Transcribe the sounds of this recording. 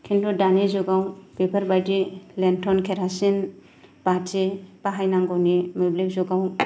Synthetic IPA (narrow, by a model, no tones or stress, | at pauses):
kʰindɔdanezɔɡawpepʰaɾbajdilentʰɔnkʰeɾasin | b̥atʰebaɦajnaŋɡɔnimublik̚zɔɡaw